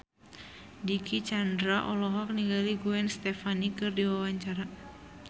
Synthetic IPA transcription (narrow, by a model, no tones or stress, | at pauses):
dikit͡ʃandɾaʔɔlɔɦɔk̚niɡaliɡuɛnst̪ɛfanikɨrdiwawaɲt͡ʃaɾa